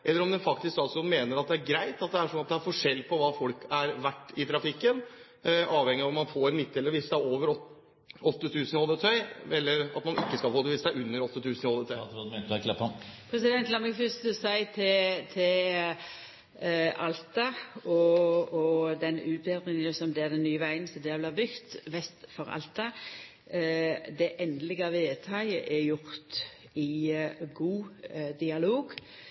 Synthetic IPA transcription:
ʔɛlːəɾɔmd̪ɛnfɑkt̪ɪsksɑːt̪sʊn̩meːnəɾɑt̪̚d̪ɛæɾɡɾæɪt̪ɑt̪̚d̪ɛæʂɔnːɑt̪̚d̪ɛæɾfɔʂɛlːpʰɔʋɑːfɔlkæɾʋæʈːɪt̪ʰɾɑfɪkːən | ʔɑːʋhɛŋːɪɑʋɔmɑnfoːɾɛnmɪt̪ːɛlːəɾʋɪsɑoːʋəɾɔ | ɔt̪ːət̪ʰʉːsənɪhɔld̪ət̪ʰœʏɛlːəɾɑt̪mɑnɪkːəskɑlfoːd̪əʋɪsæɪʉnːəɾɔt̪ːət̪ʰʉːsnɪɔlət̪ʰœt̪ːd̪mɛkʰlɛpːɔnpʰɾɛsɪd̪ɛnt̪lɑməkʰʉsd̪ʉsæɪt̪ʰɪt̪ʰɪl | ʔɑlt̪ɑɔɔd̪ɛnʉːt̪̚b̪ɛd̪ʁɪŋənəsɔmd̪ɛɛd̪ɛnnːyːəʋæɪənsɔd̪ɛbleːbʏkt̪ʋɛst̪fɔɾɑ̰lt̪ɑ | d̪ɛʔɛnd̪əlɪɡɑʋeːt̪ʰɑɪəʔɛɾjʊɾt̪ | ɪɡuːd̪ɪɑloːɡ

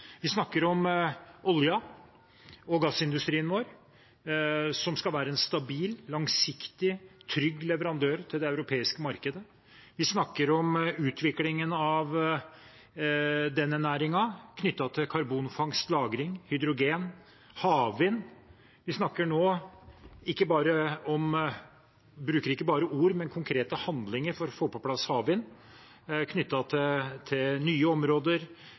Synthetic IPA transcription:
ʋɪsnɑkːəɾɔmɔljɑ | ɔɡɑsːɪnd̪ʉst̪ɾiːənʋoːɾ | sɔmskɑlʋæːɾəɛnst̪ɑbiːlːɑŋsɪkt̪ɪt̪ʰɾʏɡːlɛʋəɾɑnd̪øːɾt̪ʰɪld̪ɛɑʉɾʊpʰeːɪskəmɑɾkəd̪ə | ʋɪsnɑkːəɾɔmʉːt̪ʰʋɪklɪŋənɑʋ | d̪ɛnːɛnæːɾɪŋɑkʰnʏt̪ːɑt̪ʰɪlkʰɑɾbuːnfɑŋst̪lɑːɡɾɪŋhʏd̪ɾʊɡeːn | hɑːʋɪn | ʋɪsnɑkːəɳoː | ɪkːəbɑːɾəɔm | bɾʉːkəɾɪkːəbɑːɾəuːɾmɛnkʰʊŋkʰɾeːt̪əhɑnd̪lɪŋəɾfɔɾɔfoːpɔpʰlɑshɑːʋɪn | kʰnʏt̪ːɑt̪ʰɪt̪ʰɪlnyːəɔmɾoːd̪əɾ

